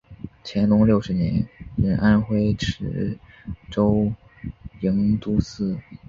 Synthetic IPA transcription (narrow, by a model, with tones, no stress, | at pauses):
t͡ɕʰjɛ˧˥nlʊ˧˥ŋljo˥˩ʊʂɻ̩˧˥njɛ̰˧˥nɻə˧˥nʔa˥nxwe˥ɪʈ͡ʂʰɻ̩˧˥ | ʈ͡ʂo˥ʊ | i˧˥ŋt̪u˥sɹ̩˥˩